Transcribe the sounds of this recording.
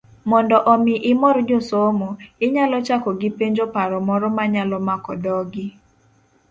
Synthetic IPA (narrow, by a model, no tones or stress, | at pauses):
mɔndɔʔɔmɪʔɪmɔɾd͡ʒosomoɪɲalɔt͡ʃakɔɡɪpeɲd͡ʒopaɾɔmɔɾɔmaɲalɔmakɔd̪ɔɡɪ